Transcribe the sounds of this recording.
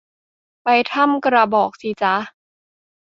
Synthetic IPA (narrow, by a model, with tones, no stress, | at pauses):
pa˧jt̪ʰa˥˩˨mkɾa˧bɔː˨˩k̚si˧˦t͡ɕa˧˦